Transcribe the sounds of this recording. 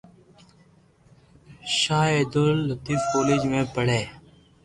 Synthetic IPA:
ʃaːeːd̪olːət̪iːfkoːlid͡ʒmẽːpəɽeː

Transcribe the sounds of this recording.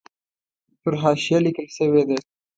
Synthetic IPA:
pəɾɦɑʃijalikəlʃəwed̪e

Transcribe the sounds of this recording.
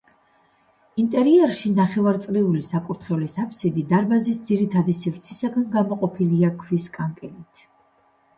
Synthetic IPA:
int̪ʼɛɾiɛɾʃinaχɛvaɾt̪sʼɾiulisakʼuɾt̪ʰχɛvlisapʰsid̪id̪aɾbazisd̪ziɾit̪ʰad̪isivɾt̪sʰisaɡanɡamɔqʼɔpʰiliakʰviskʼaŋkʼɛlit̪ʰ

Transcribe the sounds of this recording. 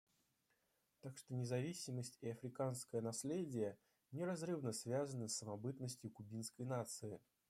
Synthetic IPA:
t̪akʂt̪onʲɪzɐvʲisʲɪməsʲtʲɪɐfɾʲɪkanskəjənɐsʲlʲedʲɪjə | nʲɪɾɐzrɨvnəsvʲazənəsːəmɐbɨt̪nəsʲtʲjʊkʊbʲinskəjnat̪sɨɪ

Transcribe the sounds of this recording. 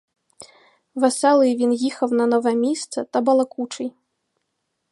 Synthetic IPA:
vasalˠɨvʲinɣʲixɐwnɐnɔvɐmʲist̪sɐt̪ɐbɐlˠɐkut͡ʂɨj

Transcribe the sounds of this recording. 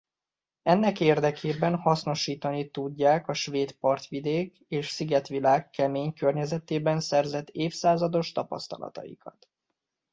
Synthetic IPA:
ɛnːɛkeːrd̪ɛkʰeːbɛnhɒsno̞ʃiːt̪ɒnit̪uɟːaːkɒʃʋeːt̪pɒrt̪ʋid̪eːk | eːʃsiɡɛt̪ʋilaːkːɛmeːɲkørɲɛzɛt̪eːbɛnsɛrzɛt̪ːeːfsaːzɒd̪o̞ʃt̪ɒpɒ̰st̪ɒ̰lɒ̰t̪ɒ̰jḭkʰɒt̪

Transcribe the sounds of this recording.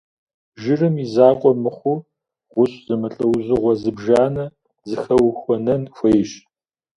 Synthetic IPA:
ʒɪrɨmizaːqʷʼɔmɨχʷʊ | ʁʷʊɕʼz̥ɨmɨɬʼɐwzɨʁʷɔzɨbʒaːnɐ | zɨxɐwxʷɔnɐnxʷejʃ

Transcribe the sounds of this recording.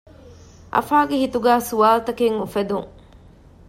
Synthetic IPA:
ʔɐ̰faːɡehit̪uɡæːsuaːlt̪ɐkeŋufed̪uŋ

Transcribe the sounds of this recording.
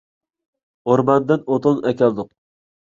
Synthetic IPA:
oɾmɑnd̪ɨnot̪ʰɨlˠnɛkʲɛlˠd̪ʊq̚

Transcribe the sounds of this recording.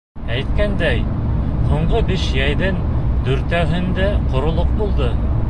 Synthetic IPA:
æjt̪kænd̪æjhuɴɢobiʃjæjðɘnd̪ɵ̆ɾt̪æwɦɘ̆nd̪æqŏɾŏlˠoq̚bulˠd̪ɤ

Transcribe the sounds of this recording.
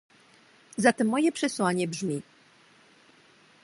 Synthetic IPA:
zat̪ɛmːɔjɛpʂɛswaɲɛbʐmʲi

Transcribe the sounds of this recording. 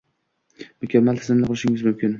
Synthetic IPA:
mʊkʲʰamːalt̪ʰɪzɪmnɪqʰʊlˠɪʃɪŋʲɪzmʊmkʲʰɪn

